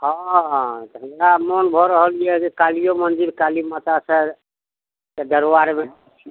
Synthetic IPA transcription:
hɔ̃ | d̪əmɾamɔnbʱɔɾəɦəlijɛkekalijomənd͡ʒiɾkaliomət̪asə | t̪əd̪əɾwaɾme

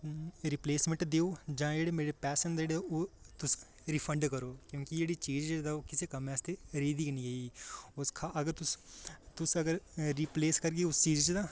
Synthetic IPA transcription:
ɾipleːsmə̃ɳʈd̪eːoːd͡ʒãːd͡ʒeːɽeːmeːɾeːpɛːsənd̪d͡ʒeːɽeoːt̪ʊs | ɾipʰəɳɖkəɾoːkjõːkid͡ʒeːɽiːt͡ʃiːd͡ʒd͡ʒd̪aːoːkɪseːkəmẽːəst̪eɾeːd̪iːknĩːɦeiiːʊskʰaəɡəɾt̪ʊst̪ʊsəɡəɾɾiːpleːskəɾɡeːʊst͡ʃiːd͡ʒd͡ʒd̪aː

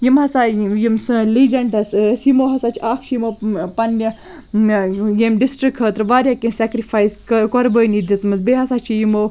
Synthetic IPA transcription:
jimɦɐsajimsɨ̃liːd͡ʒɐɳɖɐssjimoːɦɐsat͡ʃʰaːkʰt͡ʃʰjimopɐnːɐ | jemɖisʈɾikʰɦəːt̪ɾɨʋaːɾʲjaːkesʲɛkɾifaːjskkɔɾbəːjnid̪it͡smɨzbeːɦɐsat͡ʃʰijimo

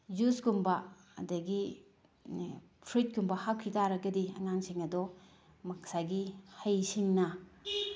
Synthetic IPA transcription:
zusɡumbɐɐ̰dɐɡi | pʰɾit̚ɡumbɐhak̚kʰːitʰaɾɐɡɐdiɐ̰ŋaŋsiŋɐdɔ | mɐk̚saɡihɐjsiŋnɐ

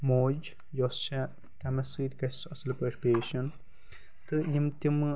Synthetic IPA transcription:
moːd͡ʒ | jost͡ʃɐ | t̪ɐmɐsɨːd̪ʲkɐsɐsɐlpɐʂpeːʃɐn | t̪ɨjimt̪im

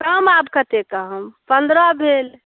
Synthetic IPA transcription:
kəmabkət̪ekəɦəmpənd̪ɾɔbʱel

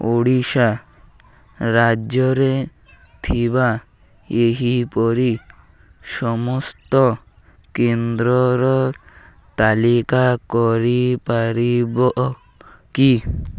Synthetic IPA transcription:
oɽiʃa | ɾad͡ʒɔɾe | t̪ʰiba | eɦipɔɾi | ʃɔmɔst̪ɔ | kend̪ɾɔɾɔ | t̪alikakɔɾipaɾibɔʔ | ki

